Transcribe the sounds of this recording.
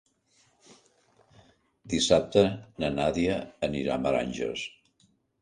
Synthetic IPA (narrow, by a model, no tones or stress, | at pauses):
d̪isap̚t̪ənənaðiəːniɾa̰məɾa̰nʲʒə̰s